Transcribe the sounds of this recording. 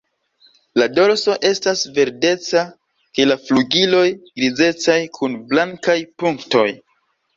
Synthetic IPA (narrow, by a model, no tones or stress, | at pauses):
lado̞ɾso̞ʔe̞stasve̞ɾde̞t͡sa | ke̞lafluɡilo̞jɡ̥ɾize̞t͡sajkʰunblaŋkajpuŋkto̞̰j